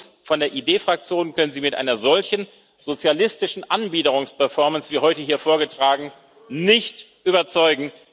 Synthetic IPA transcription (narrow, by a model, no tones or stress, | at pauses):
fɔndeːɐʔiːdeːfʁ̥ak̚t͡sjoːnkʰœnənziːmɪtʔa̰ɪnɐzɔlçn̩ | z̥ot͡sjalɪstɪʃn̩ʔanbiːdəʁʊŋspɛɐfɔɐmənsv̥iːhɔʏtəhiːɐfoːɐɡətʁ̥aːɡŋ̩ | nɪçt | ʔyːbɐt͡sɔʏɡŋ̩